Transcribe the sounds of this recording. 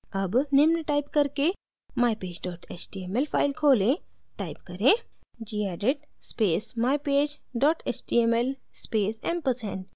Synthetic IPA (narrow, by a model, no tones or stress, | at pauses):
ɐbnemnəʈaːipkɐɾke | maːjpeːd͡ʒɖɔːʈeːt͡ʃʈiːemelpʰaːɪlkʰoːlẽʈaːipkɐɾẽ | d͡ʒiːɛːɖiʈ | speːsmaːjpeːd͡ʒ | ɖɔːʈet͡ʃʈiemel | speːsempəsḛɳʈ